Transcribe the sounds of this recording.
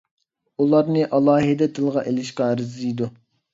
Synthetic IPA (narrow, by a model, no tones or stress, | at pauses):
ulˠɑɾnɨʔɑlˠɑːɦid̪ɛd̪ɨlˠʁɑʔelɪʃqɑæɾɪzlijd̪u